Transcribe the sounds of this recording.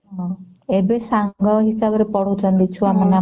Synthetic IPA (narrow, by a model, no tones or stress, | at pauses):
ɦɔ̃ | ebesãɡɔɦisabɔɾepɔɽ̤ut͡ʃənd̪it͡ʃʰuamana